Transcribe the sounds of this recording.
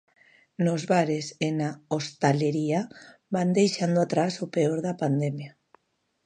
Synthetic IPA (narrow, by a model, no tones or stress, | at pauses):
nozβaɾesenaost̪aleɾiaband̪ejʃand̪oat̪ɾasopeoɾðapand̪emja